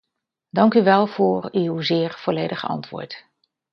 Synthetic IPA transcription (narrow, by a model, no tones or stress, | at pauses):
dɑŋkyʋɛlˠv̥ʊːɹywzɪːɹv̥ɔlejdəχəɑ̰ntʋʊ̰ːɹt